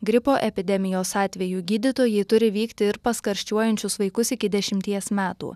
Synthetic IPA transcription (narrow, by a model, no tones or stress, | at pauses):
ɡɾʲɪpoːʔɛpʲɪd̪ʲɛmʲɪjoːsɑːt̪ʲʋʲɛjuːɡʲiːd̪ʲɪt̪oːjɛɪt̪ʊɾʲɪʋʲiːkt̪ʲɪɪɾpɐskɐɾʲʃʲt͡ʃʲuɔjɛnʲt͡ʃʲʊsʋɐɪkʊsɪkʲɪd̪ʲɛʃʲɪmʲt̪ʲiɛsmʲæːt̪ṵː